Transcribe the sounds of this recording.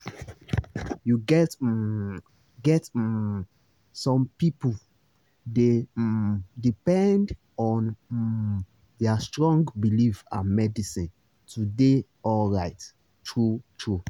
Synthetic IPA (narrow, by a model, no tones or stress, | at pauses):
juɡɛt | ɡɛt | sɔ̃mpipu | de | dipɛ̃nd | ɔ̃n | deastɹɔ̃ŋɡbilifa̰mɛdisĩn | tʰude | ɔlɹaɪt | tɹutʰɹu